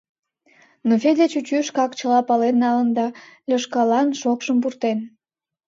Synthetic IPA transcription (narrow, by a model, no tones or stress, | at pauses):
nofed̪et͡ɕut͡ɕyʃkɑkt͡ɕəlɑpɑlenːɑlənd̪ɑlʲəʃkɑlɑnʃokʃəmp̬urt̪en